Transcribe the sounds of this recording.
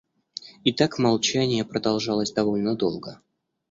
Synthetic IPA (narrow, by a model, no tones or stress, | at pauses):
ɪt̪akmalˠt͡ɕænʲɪjəpɾəd̪ɐlˠʐɑlˠəsʲd̪ɐvo̞lʲnəd̪o̞̰lˠɡə